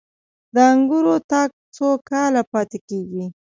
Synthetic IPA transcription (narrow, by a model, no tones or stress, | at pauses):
d̪əaŋɡuɾot̪ɑɡ̚t͡sokɑlapɑt̪ekeɡi